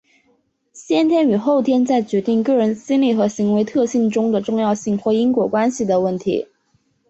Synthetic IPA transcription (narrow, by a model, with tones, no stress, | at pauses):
ɕjɛ˥nt̪ʰjɛ˥ny˨˩xo˥˩ʊt̪ʰjɛ˥nt͡sa˥˩ɪt͡ɕɥɛ˧˥t̪i˥˩˧ŋkɤ˥˩ɻə˧˥nɕi˥nli˥˩xɤ˧˥ɕi˧˥ŋwe˧˥ɪt̪ʰɤ˥˧ɕi˥˧ŋʈ͡ʂʊ˥ŋd̪ə˨ʈ͡ʂʊ˥˧ŋjɑ˥˧ʊɕi˥˩˧ŋxwɔ˥˩i˥ŋkwɔ˧˥kwa˥nɕi˨˩d̪ə˩wə˥˩nt̪ʰḭ˧˥